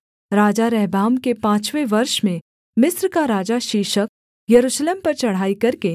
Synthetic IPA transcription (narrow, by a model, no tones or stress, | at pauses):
ɾaːd͡ʒaɾɛɦbaːmkepãːt͡ʃʋeʋɐɾʃmẽ | mɪsɾkaɾaːd͡ʒaʃiːʃək̚ | jɐɾuːʃleːmpɐɾt͡ʃɐɽ̤aːikɐɾke